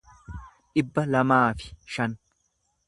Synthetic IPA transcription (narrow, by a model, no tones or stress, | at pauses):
ᶑɪbːɐlɐmaːfɪ̥ʃɐn